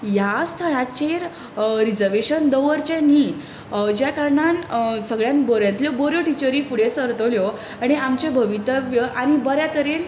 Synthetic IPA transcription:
jast̪ʰəɽ̃at͡ɕeɾ | ɾid͡zəɾʋeɕənd̪əʋəɾt͡ɕẽni | d͡ʑjakaɾɳansəɡɭjãnbɔɾjãnt̪ljɔbɔɾjoʈit͡ɕəɾifuɽesəɾt̪əljɔ | aɽ̃iamt͡ɕebʱəʋit̪əʋjəʔañibəɾjat̪əɾen

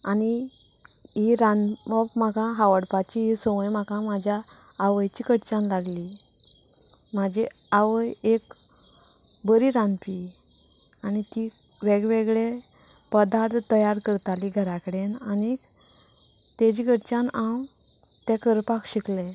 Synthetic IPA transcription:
ani | ɦiɾãnməpmakãɦaʋəɽpat͡ɕiɦisɔʋəjmakãmad͡ʑʱjaːʋəjt͡ɕikəʈt͡ɕanlaɡli | mad͡ʑʱi | aʋəjek | bəɾiɾãnpi | anit̪i | ʋeɡʋeɡɭe | pəd̪aɾt̪t̪ːəjaɾkəɾt̪aliɡʱəɾakəɽenani | t̪ed͡ʑikəʈt͡ɕanãw | t̪ɛkəɾpakɕikle

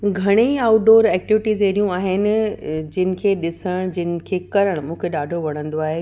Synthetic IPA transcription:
ɡʱɐɽ̃eaːʊʈ̚ɖoːɾɛːk̚ʈɪʋɪʈizeːɾijũaːɦɪnɪ̆d͡ʑɪnɪ̆kʰeːɗɪsəɽ̃d͡ʑɪnɪ̆kʰeːkɐɾəɽ̃mũːkʰeɗaːɖʱoʋɐɽ̤̃ə̃nd̪oaːɦe

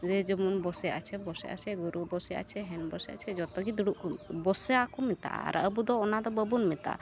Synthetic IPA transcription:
ɾɛd͡ʒɔmunbɔsɛʔa̰t͡ʃʰɛbɔsɛ̰ʔa̰t͡ʃʰɛɡuɾubɔsɛa̰t͡ʃʰɛɦɛnbɔsɛa̰t͡ʃʰɛd͡ʒɔt̪ɔɡid̪uɽuʔkubɔsɛakɔmit̪a̰a̰ɾa̰əbud̪ɔːnad̪ɔbəbunmit̪a̰

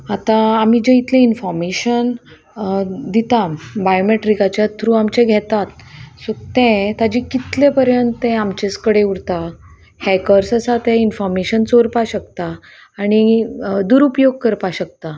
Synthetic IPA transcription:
at̪ãːm̤id͡ʑeit̪lɛ̃infɔɾmeɕən | d̪it̪abajomeʈɾikat͡ɕjat̪ʰɾuamt͡ɕɛ̃ɡʱɛt̪at̪sot̪ɛ̃t̪ad͡ʑikit̪lepəɾjənt̪ẽamt͡ɕeskəɽeuɾt̪a | hɛkəɾsəsat̪ɛ̃infɔɾmeɕənt͡soɾpaɕəkt̪aː | ɽ̃id̪uɾupjoɡ̚kəɾpaɕək̚t̪a

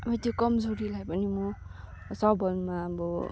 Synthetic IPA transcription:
bʌt̪jokʌmd͡zoɾilajpʌnimo | sʌbʱʌlmabɔ

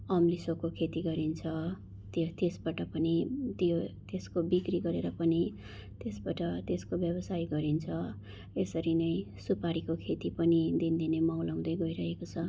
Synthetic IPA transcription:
ʌmlisokokʰet̪iɡʌɾint͡sʰʌ | t̪t̪esbaʈʌpʌnit̪jot̪eskobikriɡʌɾeɾʌpʌni | t̪esbaʈʌt̪eskobjʌbʌsajɡʌɾint͡sʰʌ | esʌɾinʌj | supaɾikokʰet̪ipʌnid̪ind̪inemawlaw̃d̪ʌjɡʌjɾʌɦekot͡sʰʌ

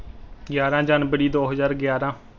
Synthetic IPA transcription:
ɡjaːɾãːd͡ʒənbəɽiːd̪oːɦəzaːɾɡjaːɾãː

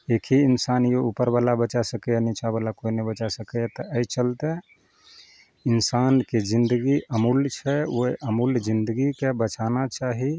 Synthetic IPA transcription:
ekʰiinsanjoupəɾbalabət͡ʃasəkəjanɛt͡ʃʰabəlakoinebət͡ʃasəkəjat̪ɔʔəjt͡ʃəlt̪e | insanked͡ʒind̪əɡiʔəmult͡ʃʰɛoeʔəmuld͡ʒind̪əɡikebət͡ʃanat͡ʃaɦi

